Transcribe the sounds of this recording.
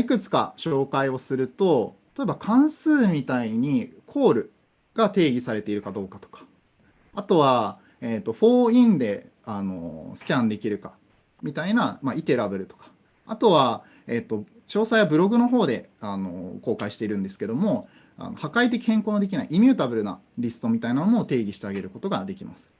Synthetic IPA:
ikɯ̟t͡sɨ̥ka̰ɕo̞ːkaio̞sɨɾɯ̟t̪o̞t̪t̪o̞ebakʰãɰ̃sɨːmʲit̪aiɲ̟ikʰo̞ːɾɯ̟ | ɡ̥at̪e̞ːɡʲisaɾe̞t̪e̞iɾɯ̟kad̪o̞ːkḁt̪o̥kḁ | at̪o̞βa | et̪ːo̞ɸo̞ːĩnd̪e̞ | ano̞̰sɨ̥kʲãnd̪e̞kʲiɾɯ̟ka̰ | mʲit̪ainamait̪e̞ɾabɯ̟ɾɯ̟t̪o̞̥kḁ | at̪o̞βa | e̞t̪ːo̞ | t͡ɕo̞ːsaiβabɯ̟ɾo̞ɡɯ̟no̞ɦo̞ːd̪e̞ | ano̞̰ko̞ːkaiɕi̥t̪e̞iɾɯ̟̃nd̪e̞sɨ̥ke̞d̪o̞mo̞ | a̰no̞hakait̪̬e̞kʲi̥hẽŋko̞ːno̞d̪e̞kʲinaiʔimʲjɨːt̪abɯ̟ɾɯ̟na | ɾʲisɨ̥t̪o̞mʲit̪ainamonoːt̪e̞ːɡʲiɕi̥t̪e̞aɡe̞ɾɯ̟ko̞t̪o̞ɡad̪e̞kʲimasɨ̥

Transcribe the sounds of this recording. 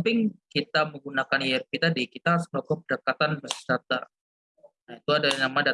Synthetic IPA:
pɪŋkit̪aməŋɡunakanjɛrkit̪adikit̪aslakɔp̚ədəkat̪anbəst͡ʃat̪a̰ | nait̪uadalnamada

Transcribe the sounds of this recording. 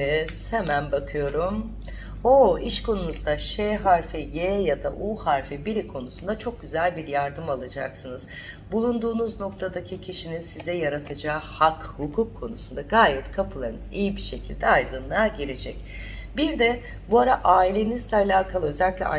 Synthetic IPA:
z̥hemænbakʰɯjo̞ɾum | oiʃkʰo̞nunuzd̪aʃɛɦaɾfɛjɛjad̪a̰ʔuhaɾfɛbiɾikʰo̞nusund̪at͡ʃʰo̞k̚ɟyzælʲbiɾjaɾd̪ɯmalˠad͡ʒa̰ksɯnɯz̥ | bulˠund̪uːnuzno̞k̚t̪ʰad̪acʰicʰiʃininsizɛjaɾat̪ʰad͡ʒaːhakhukʰukʰːo̞nusund̪aɡaːjɛt̪kʰapʰɯlˠaɾɯnɯzijibiʃe̞cʰilʲd̪ɛajd̪ɯnaɟiɾed͡ʒɛc | biɾd̪ɛ | buaɾaʔaːilʲe̞nizlʲɛalʲaːkʰalˠɯø̞zɛlʲːiclʲɛ̰a̰

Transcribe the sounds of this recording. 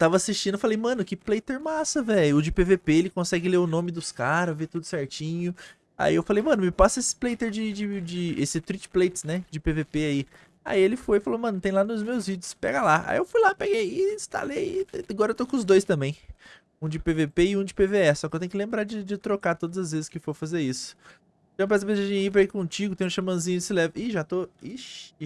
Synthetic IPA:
t̪avɐasist͡ʃĩd̪ʊfalejmɐ̃nʊkɪplejt̪eɾmasɐvɛʎʊːd͡ʒɪpevepeelɪkõsɛɡɪleɾʊnõmɪd̪ʊskaɾɐvet̪ud̪ʊsɛɾt͡ʃĩɲʊ | a̰iewfalejmɐ̃nʊmɪpasɐesɪ̥plejt̪eɾd͡ʒɪd͡ʒɪd͡ʒɪesɪt̪ɾit͡ʃɪ̥plejt͡ʃɪ̥snɛd͡ʒɪpevepeai | a̰ielɪfojɪfalowmɐ̃nʊt̪ẽj̃lanʊzmewzvid͡ʒʊspɛ̰ɡɐlaa̰ḭewfujlapeɡejĩst̪a̰lejaɡɔɾɐewt̪okõʊzd̪ojst̪ɐ̃mbẽj̃ | ũd͡ʒɪpevepeɪũd͡ʒɪpeveɛsɔkɪewt̪ẽj̃ʊkɪlẽmbɾad͡ʒɪd͡ʒɪt̪ɾokaɾt̪od̪ɐzɐzvezɪskɪfoɾfazeɾisʊ̥ | ẽɐpɾɛz̬ɐbezɐd͡ʒẽip̬ɾɐikõt͡ʃiɡʊt̪ẽj̃ʊ̃ʃɐmɐ̃zĩɲʊd͡ʒɪsɪlɛvʔɪʒat̪oiʃ

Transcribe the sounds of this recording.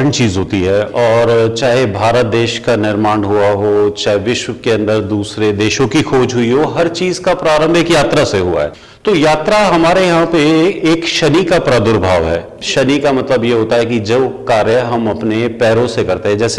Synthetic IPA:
əɳt͡ʃiːzɦoːt̪iɦɛːɔːɾt͡ʃaːɦebʱaːɾət̪̚d̪eːʃkanɪɾmaːɳɦuaɦot͡ʃaːɦeʋɪʃwəkeɐ̃nd̪əɾd̪uːsɾed̪eːʃõkixʰoːd͡ʒɦʊiɦoɦɐɾt͡ʃiːzkapɾaːɾə̃mbʱekjaːt̪ɾaseɦua̰ɦɛ̰ː | t̪oːjaːt̪ɾaɦɐmaːɾejɐɦãpeeːkʃɐnikapɾad̪ʊɾbʱaːʋɦɛː | ʃɐnikamɐt̪ləbjeɦoːt̪aɦɛkid͡ʒɐʋkaːɾjəəɦɐmɐpnepɛːɾõsekɐɾt̪eɦɛ̃d͡ʒɛːse

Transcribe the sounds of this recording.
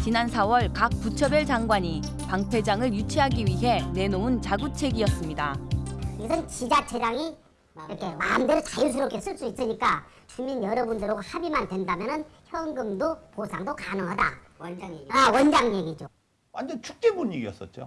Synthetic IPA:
t͡ɕinansʰawʌɭkak̚p͈ut͡ɕʰʌbjʌɭt͡ɕaŋɡwaɲipaŋpʰe̞d͡ʑaŋɯɭjut͡ɕʰiɦaɡiɥiɦe̞ne̞nount͡ɕaɡut͡ɕʰe̞ɡiʌs͈ɯmɲidakiɡʌsʰɯnt͡ɕid͡ʑat͡ɕʰe̞d͡ʑaŋi | ɾʌkʰe̞mamdeɾɯt͡ɕajus̬ʰɯɾok͈ʰe̞s͈ɯɭs͈uis͈ɯɲik͈a | t͡ɕuminjʌɾʌbundɯɾoɡhabimandwe̞ndamjʌnɯnçjʌŋɡɯmdoposʰaŋdokanɯŋɦada̰ | awʌnd͡ʑaŋjeɡid͡ʑo | andet͡ɕu̥k̚t͈ebuɲeɡiʌs͈ʌt̚t͡ɕ͈o̰

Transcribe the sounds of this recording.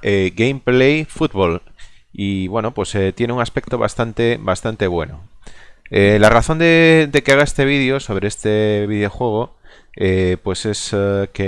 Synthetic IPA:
eɡejmplejfut̪βoliβwe̞no̞pwe̞set̪je̞neuŋaspe̞k̚t̪oβa̰st̪ant̪ebast̪ant̪e̞β̞we̞̰no̰ | elaraθo̞nd̪ed̪e̞keaɣ̞aest̪e̞β̞iðjoso̞β̞ɾeest̪eβ̞iðeo̞xwe̞ɣ̞o̞ | epwe̞se̞ske

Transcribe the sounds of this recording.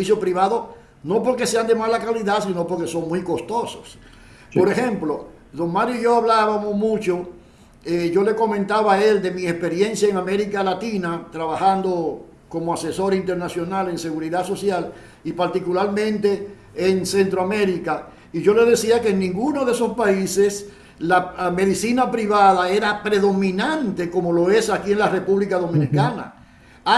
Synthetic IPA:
seβisjopɾiβaðo̞ | no̞po̞ɾke̞se̞and̪e̞malakaliðasino̞poɾke̞so̞ŋmwujko̞st̪osos | po̞ɾexe̞mplo | ðoŋmaɾjoiʝo̞aβlaβamosmũt͡ʃo | eʝo̞le̞ko̞mẽnt̪aβae̞ld̪e̞miespe̞ɾje̞nsjaeŋame̞ɾikalat̪inat̪ɾaβaxand̪o̞ | ko̞moase̞so̞ɾint̪e̞ɾnasjo̞nale̞ŋse̞ɣuɾiðaso̞sjal | ipaɾt̪ikulaɾmẽ̞nt̪e̞ː | ŋse̞nt̪ɾoame̞ɾika | iʝo̞le̞ðe̞siakeeŋnĩŋɡuno̞ðeso̞spaise̞s | lame̞ðisinapɾiβaðae̞ɾapɾe̞ðo̞mĩnãnt̪e̞ko̞mo̞lo̞e̞sakie̞ŋlare̞puβlikaðo̞mĩnikana̰

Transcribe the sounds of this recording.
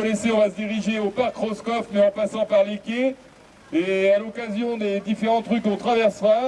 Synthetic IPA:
leseɔ̃vasəd̪iʁiʒeopaʁkχɔskɔfmeɑ̃pasɑ̃paʁlekʲe | ealɔkazjɔ̃d̪ed̪ifeʁɑ̃t̪χykɔ̃t̪χavɛʁsʁa

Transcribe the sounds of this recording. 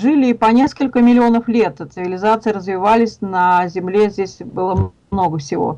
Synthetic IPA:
ʐɨlʲɪːpɐnʲe̞skəlʲkəmʲɪlʲɪo̞nəflʲe̞t̪t̪sɨvʲɪlʲɪzat̪sɨɪɾəzvʲɪvalʲɪsʲnəzʲɪmlʲezʲdʲesʲbɨlˠəm | no̞ɡəfsʲɪvo̞̰

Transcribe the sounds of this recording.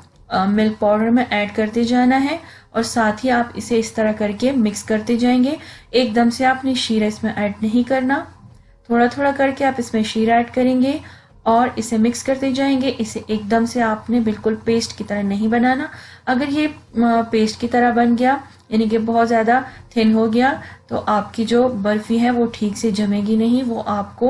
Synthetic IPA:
mɪlk̚pɔːɾɖəɾmẽʔɛːɖkɐɾt̪ed͡ʒaːnaɦɛ | ɔːɾsaːt̪ʰɦiaːpɪ̰seɪst̪ɐɾakɐɾkemɪkskɐɾt̪ed͡ʒaːẽːŋɡeeːk̚d̪ɐmseaːpneʃiːɾeɪsmẽʔɛːɖnɐɦĩkɐɾna | t̪ʰoːɽat̪ʰoːɽakɐɾkeaːpɪsmẽʃiːɾɛːɖkɐɾẽːŋɡe | ɔːɾɪsemɪkskɐɾt̪ed͡ʒaːẽːŋɡeʔɪseʔeːk̚d̪ɐmseaːpnebɪlkʊlpeːsʈkit̪ɐɾəɦnɐɦĩbɐnaːnaɐɡəɾjepeːsʈkit̪ɐɾəɦbɐnɡɐjaː | jaːnik̬ebɔɦɔt̪zjaːd̪at̪ʰɪnɦoɡɐjat̪o̰ːʔaːpkid͡ʒoːbɐɾfiɦɛʋoʈʰiːksed͡ʒɐmẽːɡinɐɦĩʋoːʔaːp̚ko

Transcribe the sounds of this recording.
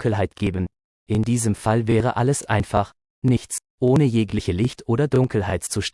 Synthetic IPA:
kl̩ɦaɪtɡ̥eːbən̩ | ʔɪndiːzəmfalvɛːʁ̞əʔaləsʔa̰ɪnfaχ | nɪçt͡s | ʔoːnəjeːklɪçəlɪçtʰʔoːɾɐdʊŋkl̩ɦaɪtt͡suʃt

